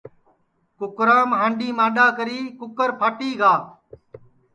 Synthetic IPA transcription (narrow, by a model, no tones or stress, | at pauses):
kʊkɾaːmɦãːɳɖiːmãːɗaːkəɾiːkʊkəɾpʰaːʈiːɡaː